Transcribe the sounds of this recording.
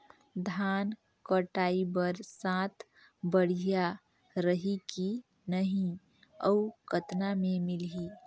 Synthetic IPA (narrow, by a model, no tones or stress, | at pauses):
d̪ʱaːn | kəʈaːibəɾsãːt̪ʰ | bəɽ̤ija | ɾəɦiki | nəɦĩ | əukət̪namẽmɪlɦiː